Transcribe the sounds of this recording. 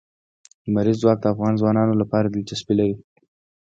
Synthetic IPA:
d̪əmaɾizːwɑk̚d̪əafɣɑnzwɑnɑnolapɑɾad̪əlt͡ʃaspilaɾi

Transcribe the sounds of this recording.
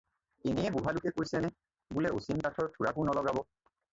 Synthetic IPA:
enɛjɛbuɦalʊkɛkojsɛnɛ | bulɛosinpatʰɔɹtʰuɹakʊnɔlɔɡabɔ

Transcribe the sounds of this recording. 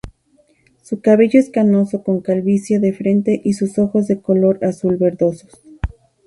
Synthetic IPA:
sukaβe̞ʝoeskano̞so̞ko̞ŋkalβisjoðe̞fɾe̞nt̪e̞ʔisuso̞xo̞zðe̞ko̞lo̞ɾasulβe̞ɾðo̞so̞s

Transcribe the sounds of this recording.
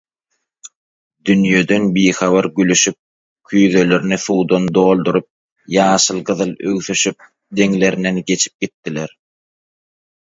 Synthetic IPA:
d̪ynjød̪ø̞nbiːxɑβɑɾɡylyʃyp̚ | kʰyjðø̞løɾniθuːd̪ond̪o̞ːlˠd̪uɾup̚ | jɑːʃɯlˠɢɯðɯlˠø̰wθyʃyp̚ | d̪e̞ŋle̞ɾinenɡe̞t͡ʃʰi̥p̚ɡ̥it̪ːileɾ

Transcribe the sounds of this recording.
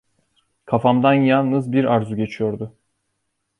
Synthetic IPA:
kʰafamd̪anjalˠnɯzbiɾaɾzuɟe̞t͡ʃʰijo̞ɾd̪ʊ

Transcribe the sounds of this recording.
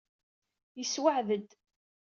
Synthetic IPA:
jəswaʕðəd̪

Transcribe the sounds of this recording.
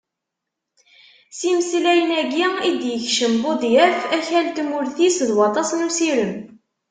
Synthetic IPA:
simslæjənæɡiid̪jəçʃəmbʊðˤjæɾfæçælt̪mʊɾθisðwɑt̪ˤɑsˤənusiɾəm

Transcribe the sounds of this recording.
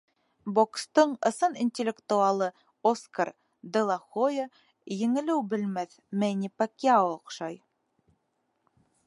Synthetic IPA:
bokst̪ɤɴɤ̆sɤninʲtʲɪlʲːekt̪uɑlˠɤ | oskaɾ | d̪ʲĕlˠɑχojə | jɘ̆ŋɘ̆lɘwbɘ̆lmæθ | mænʲipakiaooqʃɑj

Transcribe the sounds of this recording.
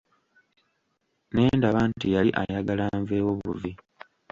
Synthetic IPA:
neːndaβantijaliʔa̰jaɡalaɱveːwoβṵvi

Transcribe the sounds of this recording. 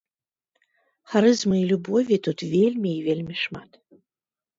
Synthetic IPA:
xaɾɨzmɨilʲubɔvʲit̪ut̪vʲelʲmʲiivʲelʲmʲiʂmat̪

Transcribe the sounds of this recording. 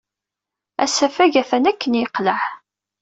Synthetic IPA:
æ̰sæfæʝæθænækːənjəqːləʕ

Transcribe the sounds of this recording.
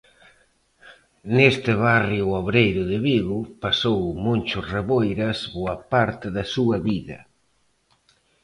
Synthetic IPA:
nest̪ɪβarjʊoβɾejɾʊðɪβiɣʊpasowmont͡ʃʊsreβojɾɐsβoɐpaɾt̪ɪðɐsuɐβiðɐ̰

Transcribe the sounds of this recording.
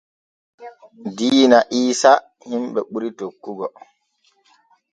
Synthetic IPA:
diːnaʔiːsa | himɓɛɓuɾitokːuɡɔ

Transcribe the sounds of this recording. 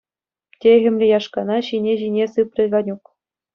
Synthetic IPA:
tʲeɣʲɘ̆mʲlʲĕjɑʂkɑnɑɕinʲeʑinʲesɯpʲrʲɘ̆ɡɑnʲuk

